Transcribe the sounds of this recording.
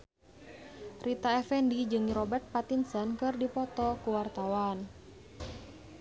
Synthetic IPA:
rʔit̪aɛfɛndid͡ʒɨŋrɔbɛrt̪̚pat̪insankɨrdipɔt̪ɔkuwart̪awan

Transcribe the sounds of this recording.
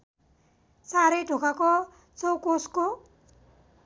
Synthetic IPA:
saɾʌjɖʱokʰako | t͡sʌwkosko

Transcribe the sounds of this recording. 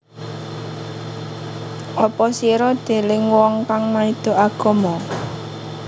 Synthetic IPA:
ʔɔpɔsiɾɔd̪̥e̤lɪŋwɔŋkaŋmaid̪̥o̤ʔaɡ̥ɔ̤mɔ

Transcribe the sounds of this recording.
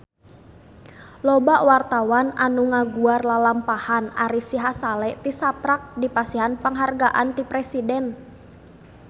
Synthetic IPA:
lɔbaʔwart̪awananuŋaɡuarlalampahana̰ɾisiɦasalɛt̪isapɾak̚dipasiɦanpəŋɦarɡaʔant̪ipɾɛsidɛn

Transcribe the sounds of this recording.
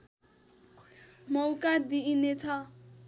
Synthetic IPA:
mʌwkad̪inet͡sʰʌ

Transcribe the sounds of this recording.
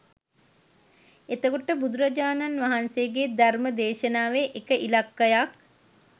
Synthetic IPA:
et̪əkoʈəbud̪uɾəd͡ʒaːnanʋaɦanseːɡeːd̪arməd̪eːʃənaːʋeʔekəʔilakːəjak̚

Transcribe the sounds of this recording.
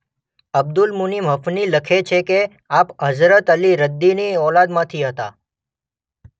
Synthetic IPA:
əb̚d̪ulmunimɦəfniləkʰet͡ʃʰeke | apɦəzɾət̪əliɾəd̪ːiniɔlad̪mãt̪ʰiɦət̪a

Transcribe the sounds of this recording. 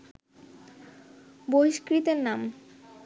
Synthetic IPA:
bojʃkɾit̪eɾnam

